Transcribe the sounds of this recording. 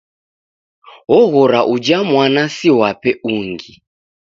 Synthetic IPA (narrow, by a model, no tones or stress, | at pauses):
ɔɣɔɾaʔud͡ʒamwanasiwapɛuŋɡi